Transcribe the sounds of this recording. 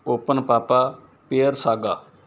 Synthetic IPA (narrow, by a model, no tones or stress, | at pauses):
oːpənpaːpaː | peːəɾsaːɡaː